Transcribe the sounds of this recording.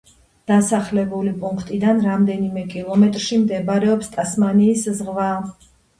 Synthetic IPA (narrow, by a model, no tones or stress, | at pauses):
d̪̥asaχlɛbulipʼuŋkʰt̪ʼid̪anɾamd̪ɛnimɛkʼilˠɔmɛt̪ʼɾʃimd̪ɛbɾɛɔpst̪ʼasmaniːszʁva